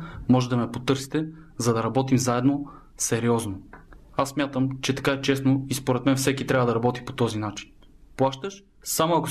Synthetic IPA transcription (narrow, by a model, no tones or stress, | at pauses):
mɔʒɛd̪ɐmɛpot̪ɤɾsi̥t̪ɛ | zɐd̪ɐɾɐbɔt̪imzaɛd̪no | sɛɾiɔzno | asːmjat̪əmt͡ʃɛt̪ɐ̥kaɛt͡ʃɛsnoispoɾɛt̪mɛnfsɛkit̪ɾʲavəd̪ɐɾɐbɔt̪i̥po̥t̪ɔzinat͡ʃi̥n | plˠaʃt̪əʃ | samoɐko